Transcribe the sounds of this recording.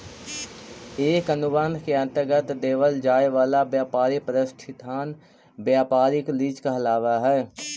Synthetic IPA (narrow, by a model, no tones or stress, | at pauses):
eːkənʊbə̃nd̪ʱkeɐ̃nt̪əɾɡət̪d̪eːʋəld͡ʒaːeʋaːlabjaːpaːɾipəɾɪsʈʰɪt̪aːn | bjaːpaːɾɪkliːd͡ʒkaɐlaːʋaɦɛː